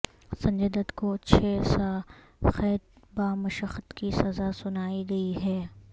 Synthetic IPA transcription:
sɐ̃ɲd͡ʒəd̪ət̪koɐtːʃʰesa | xɛːd̪̚baːmɐʃəxət̪kisɐzasʊnaːiɡɐiɦɛː

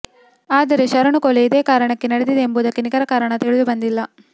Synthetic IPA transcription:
aːd̪ɐɾeʃɐɾɐɳukoleid̪eːkaːɾɐɳɐkːenɐɽed̪id̪eːmbuːd̪ɐkːenikɐɾɐkaːɾɐɳɐt̪iɭid̪ubɐnd̪ilːɐ

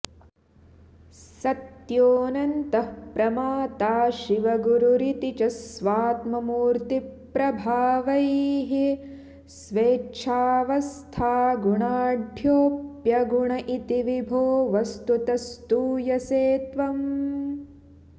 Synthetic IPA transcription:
sɐt̪joːnɐnt̪ɐpɾɐmaːt̪aːʃiʋɐɡuɾuɾit̪it͡ʃɐsʋaːt̪mɐmuːɾt̪ipɾɐbʱaːʋɐjɦi | sʋeːt͡ʃʰaːʋɐst̪ʰaːɡuɳaːɖʱjoːpjɐɡuɳɐʔit̪iʋibʱoːʋɐst̪ut̪ɐst̪uːjɐseːt̪ʋɐm

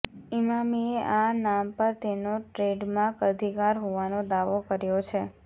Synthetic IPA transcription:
imamieʔanampəɾt̪enoʈɾeɖmãkəd̪ʱikaɾɦoʋanod̪aʋokəɾjot͡ʃʰe

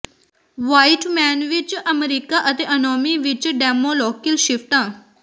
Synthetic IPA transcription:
ʋaiʈmɛnʋit͡ɕʔəmeɾikaʔət̪eʔənɔmiʋit͡ɕəɖɛmolɔkilɕiʋt̪ã

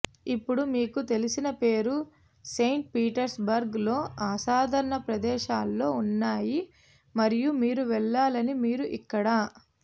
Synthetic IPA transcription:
ipːuɽumiːkut̪e̞lisinɐpe̞ːɾu | se̞jɳʈ̚piːʈɐɾsbɐɾɡlo̞ːʔaːsaːd̪ʱɐɾɐɳɐpɾɐd̪ɛːʃaːlːo̞ːunːaːji | mɐɾijumiːɾuʋɛɭːaːlɐnimiːɾuʔikːɐɽɐ

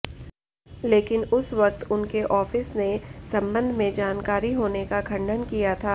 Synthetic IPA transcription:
leːkɪnʊsʋɐk̚t̪ʊnkeʔɔːfɪsnesɐ̃mbə̃nd̪ʱmẽd͡ʒaːnkaːɾiɦoːnekakʰɐ̃ɳɖənkijat̪ʰaː

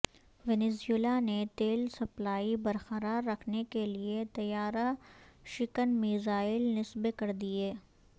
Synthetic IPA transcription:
ʋeneːseːlanet̪eːlsɐplaːibɐɾxɐɾaːɾːɐkʰnekeliet̪ɐjaːɾaʃɪkənmiːzaːɪlnɪsbekɐɾd̪ieː

